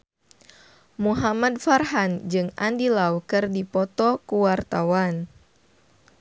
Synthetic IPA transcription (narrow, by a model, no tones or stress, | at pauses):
muɦamad̚farɦand͡ʒɨŋa̰ndilaukɨrdipɔt̪ɔkuwart̪awan